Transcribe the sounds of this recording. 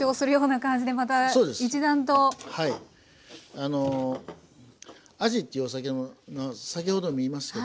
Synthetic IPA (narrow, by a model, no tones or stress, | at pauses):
o̞ːsɨɾɯ̟jo̞ːnakãɲ̟d͡ʑid̪e̞mat̪̬aoːd̪esit͡ɕid̪ãnt̪o̞hai | ano | aʑit̪ʲːejɯosak̬emomasak̬ʲiho̞d̪o̞mʲiːmasɨ̥ke